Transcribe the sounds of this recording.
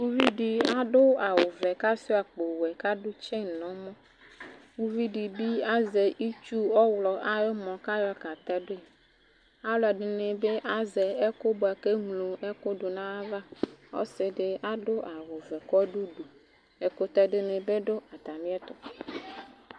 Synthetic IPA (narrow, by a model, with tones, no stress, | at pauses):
wu˦vi˦ɖi˨a˦ɖʊ˦a˨wʊ˨vɛ˨ka˦si˦a˨k͡po˨wɛ˨ka˦ɖʊ˦t͡ʃɛ˦˨nɔ̃˨˦mɔ̃˦ | wu˦vi˦ɖi˨bi˦a˦ze˨ʔi˦t͡ʃu˦ɔ˦wlɔ˨ʔa˦jɔ˦mɔ̃˨ka˦jɔ˦ka˨t̪ɛ˦ɖe˦ | a˦wla˨ɖe˨nẽ˨be˦ʔa˦zɛ˨ɛ˦ko˦bo˨a˨ke˦ŋlu˨e˦ko˦ɖo˨nã˦a˦va˦o̰˦sɪ˨ɖɪ˦a˦ɖʊ˦ʔa˨wo˨vɛ˨kɔ˦ɖu˦ɖu˨ | e˨ko˦t̪ɛ˦ɖe˦ne˨be˦ɖʊ˦a˨t̪a˨mĩ˦ɛ˦t̪ʊ˨